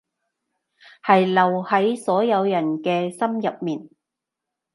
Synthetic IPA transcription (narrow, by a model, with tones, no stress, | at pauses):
hɐ˨jlɐ˨˩whɐ˨˥jsɔː˨˥jɐ˨˧wjɐ˨˩nkɛː˧sɐ˥mjɐ˨p̚miː˨˩n